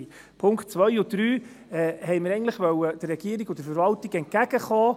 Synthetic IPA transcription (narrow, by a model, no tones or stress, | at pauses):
pʰʊŋktt͡svœjʊd̥ɾyː | ɛːhɛjməɾɛɪŋntləχʋœwəd̥əɾːɛɡ̥iːəɾiɡʊd̥əɾfəɾvɑltɪɡɛnt̚kæɡ̥əχɔː